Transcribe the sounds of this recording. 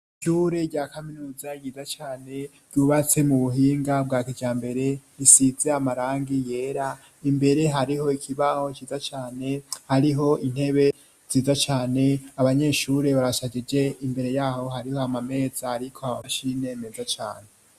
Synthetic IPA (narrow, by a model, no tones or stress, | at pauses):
ʃuːɾe̞ɾɟaːkaminuːzajiːzat͡ʃaːne̞ɾɟ̥uːβat͡se̞muβuɦiːŋɡab̚ɡaːkiɟaːmbe̞ɾe̞ɾisize̞amaɾaːŋɡije̞ːɾa | imbe̞ɾe̞ɦaɾiɦo̞ikʰiβaho̞t͡ʃiːzat͡ʃaːne̞haɾiɦo̞ʔin̥he̞βe̞ | z̥iːzat͡ʃaːne̞aβaɲe̞ːʃuɾe̞βaɾasad͡ʒed͡ʒe̞imbe̞ɾe̞jaːho̞haɾiho̞amame̞ːzaaɾikʰo̞aβaʃine̞me̞zat͡ʃa̰ːne